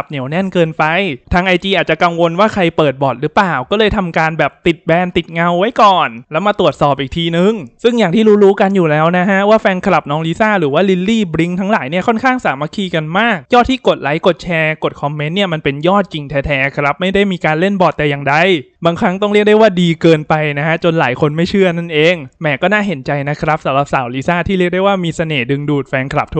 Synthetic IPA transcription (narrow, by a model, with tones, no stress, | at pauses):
p̚ni˨˩˦wnɛ˥˩nkɤː˧npa˧jt̪ʰaː˧ŋʔa˧jt̪iː˧ʔaː˨˩t͡ɕa˨˩ka˧ŋwo˧nwaː˥˩kʰa˧jpɤː˨˩t̪̚bɔː˨˩t̪̚ɾɯː˦˥plaː˨˩wkɔː˥˩lɤː˧jt̪ʰa˧mkaː˧nbɛː˨˩p̚t̪i˨˩t̪̚bɛː˧nt̪i˨˩t̪̚ŋa˧wːa˦˥jkɔː˨˩nlɛː˦˥wmaː˧t̪u˨˩ət̪̚sɔː˨˩p̚ʔiː˨˩k̚t̪ʰiː˧nɯ˨˩ŋsɯ˥˩ŋjaː˨˩ŋiː˥˩ɾuː˦˥ɾuː˦˥ka˧njuː˨˩lɛː˦˥wna˦˥ɦʰa˦˥waː˥˩fɛː˧nkʰa˧la˨˩p̚nɔː˧˥ŋliː˦˥saː˥˩ɾɯː˩˦waː˥˩li˧˥lːiː˥˩bɾi˦˥ŋt̪ʰa˦˥ŋlaː˩˦jni˥˩kʰɔ˥˩nkʰaː˥˩ŋsaː˩˦ma˧˥kʰiː˧ka˧nmaː˥˩k̚jɔː˥˩t̪ʰiː˥˩ko˨˩t̪̚la˩˦jko˨˩t̪̚t͡ɕʰɛː˧ko˨˩t̪̚kʰɔ˧mːe˦˥nːi˥˩ɐma˧npe˧njɔː˥˩t̪̚ki˧ŋt̪ʰɛː˦˥t̪ʰɛː˦˥kʰɾa˦˥p̚ma˥˩jda˥˩jmiː˧kaː˧nle˥˩nbɔː˨˩t̪ːɛː˨˩ja˨˩ŋda˧˩j | baː˧ŋkʰɾa˦˥ŋt̪ɔ˥˩ɾi˥˩ək̚da˥˩waː˥˩diː˧kɤː˧npa˧jna˦˥kʰa˦˥t͡ɕo˧nlaː˩˦jkʰo˧nma˥˩jt͡ɕʰɯ˥˩ɐna˥˩nʔeː˧ŋmɛː˨˩˦kɔː˥˩naː˥˩ɦe˩˦nt͡ɕa˧jna˦˥kʰɾa˦˥p̚sa˨˩˦mɾa˨˩p̚saː˩˦wliː˦˥saː˥˩t̪ʰiː˥˩ɾi˥˩ək̚da˥˩waː˥˩miː˧sa˧neː˨˩dɯ˧ŋduː˨˩t̪̚fɛː˧nkʰla̰˨˩p̚t̪ʰ